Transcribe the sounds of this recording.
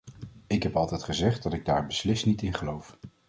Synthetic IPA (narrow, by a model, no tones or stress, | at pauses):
ɪkɦɛpɑlˠtɛjtχəzɛχt̚dɑtɪɡ̚daːɹbəslɪstnitɪnχəlowf